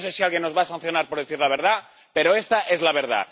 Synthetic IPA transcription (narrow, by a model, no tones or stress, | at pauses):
se̞sialɣjenːo̞zβaːsãn̟θjo̞naɾpoɾð̞eθiɾlaβ̞e̞ɾða | pe̞ɾoe̞st̪aʔe̞zlaβ̞e̞ɾð̞a̰